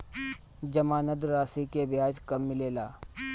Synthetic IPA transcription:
d͡ʒɐmaːnəd̪ɾaːsikebjaːd͡ʒkɐmːɪleːlaː

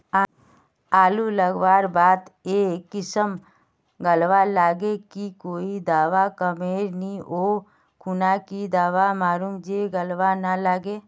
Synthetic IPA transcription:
aːluləɡʋaːɾbaːt̪ekɪsəm | ɡəlʋalaːɡekikoːid̪aːʋakəmeːɾnĩʔoː | kʰʊnakid̪aːʋamaːɾuːmd͡ʒeɡəlʋanalaːɡeː

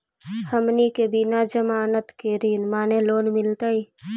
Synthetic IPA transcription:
həmnikebɪnad͡ʒəmaːnət̪keːɾiːnmaːneloːnmɪlt̪ai

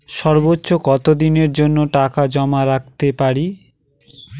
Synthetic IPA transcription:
ʃɔɾbotːɕokɔt̪od̪ineɾd͡ʑonːoʈakad͡ʑɔmaɾak̚ʰt̪epaɾi

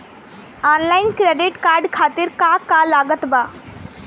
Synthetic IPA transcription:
ɔːnlaɪnkɾeɖiʈkaːɾɖkʰaːt̪iɾkakalaːɡət̪ba

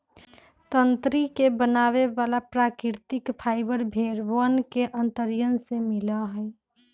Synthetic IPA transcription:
t̪ənt̪ɾikebənaːβeʋalapɾakɪɾt̪ɪkpʰaːɪbəɾbʱeɾbənkeʔənt̪əɾjənsemilaɦəj

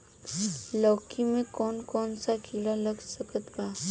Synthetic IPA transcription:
lɔkimẽkɔnkɔːnsakilaləɡsəkət̪ba

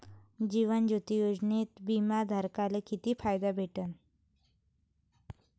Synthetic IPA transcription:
d͡ʑiʋənd͡ʑot̪ijod͡ʑnet̪bimad̪ʱəɾkalekit̪iːfajd̪abʱeʈən

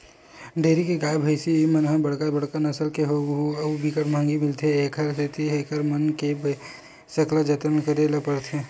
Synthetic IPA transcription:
ɖeːɾikeɡaːjbʱɐɪsiemɐnɦẽbɐɽkabɐɽkanɐsəlkeɦbikəɾmãːŋɡimɪlt̪ʰeeːkʰəɾset̪iɦekʰəɾmɐnkeb | sɐklad͡ʒɐt̪ənkəɾeːlapəɾt̪ʰe

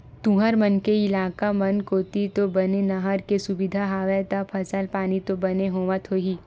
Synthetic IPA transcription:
t̪ũɦəɾmɐnkeɪlaːkamɐnkoːt̪it̪obɐnenɐɦəɾkesʊbɪd̪ʱaɦaːʋɛt̪apʰɐsəlpaːnit̪obɐneɦoːʋat̪ʰoɦiː

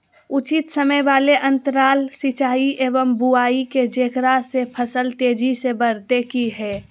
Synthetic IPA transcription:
ʊt͡ʃɪt̪səməjʋaːleʔə̃nt̪əɾaːlsɪt͡ʃaːiʔeːʋəmbuaːiked͡ʒeːkɾasepʰəsəlt̪eːd͡ʒisebəɾt̪ekiɦɛː

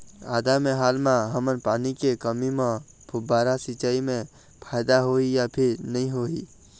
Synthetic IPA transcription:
a̰ːd̪ameɦaːlmãɦəmənpaːnikekəmimẽ | bʰʱʊbaɾasit͡ʃaːimẽ | pʰaːjd̪aɦoijapʰɪɾnəɦĩɦoi

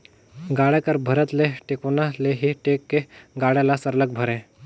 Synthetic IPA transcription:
ɡaɽekəɾbʱəɾət̪leʈekunaleɦiʈekːeɡaɽjalasəɾlək̚bʱəɾẽ

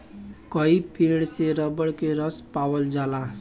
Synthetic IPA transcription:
kʌipiɽseɾʌbəɽkeɾʌspawəld͡ʒala

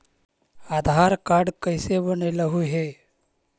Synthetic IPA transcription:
aːd̪ʱaːɾkaɾɖkəɪsebəneləɦuɦe

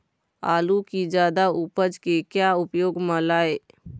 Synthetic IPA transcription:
a̰ːlukid͡ʒjaːd̪aupəd͡ʒkekjaʊpjoːɡmə̃laːe

